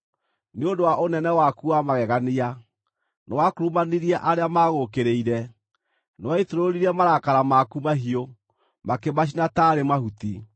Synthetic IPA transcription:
neondowaʔonɛnɛwakuamaɣɛɣania | nɔwakoɾumaniɾiaʔaɾeamaːɣokeɾeiɾɛ | nwaitoɾoɾiɾɛmaɾakaɾamakumaɦio | makemaɕ̬inataɾemahuti

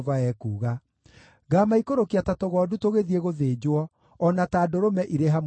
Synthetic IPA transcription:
vaɛkuːɣa | ɡaːmaikoɾokiatatoɣɔːdutoɣeðieɣoðeːd͡ʑwɔ | ɔnataːdoɾomɛʔiɾeɦam

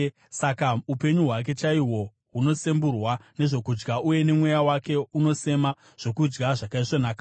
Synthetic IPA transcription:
sakaupe̞ɲuɦwak̬e̞t͡ʃaiwo̞ | ɦuno̞se̞mburwane̞ʐo̞kud͡ʒɡauje̞ne̞mwe̞jawake̞uno̞se̞ma | ʐ̥o̞kud͡ʒɡaʐakaiʂo̞naːka

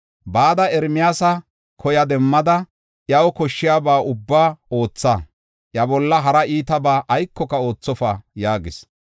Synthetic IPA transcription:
baːd̪ɐɛɾmɪjaːsɐ | kʰɔjɐd̪ɛmːɐd̪ɐ | ʔjɐwɔkɔʃːɪjaːbaːʊbːaːo̞ːt͡sːa | ʔjɐbɔlːɐɦɐɾɐʔiːt̪ɐbaːʔɐjkːɔkɐo̞ːt͡sːɔfajaːɡɪs

